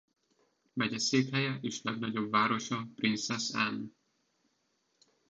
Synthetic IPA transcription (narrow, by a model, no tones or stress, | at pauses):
mɛɟɛseːkhɛjɛʔeːʃlɛɡnɒɟo̞bvaːɾo̞ʃɒprinsɛsɛ̰nː